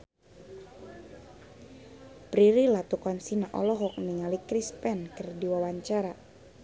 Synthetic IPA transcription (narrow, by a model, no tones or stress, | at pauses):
pɾiɾilat̪ukɔnsinaʔɔlɔɦɔk̚niŋalikɾispɛnkərdiwawaɲt͡ʃaɾa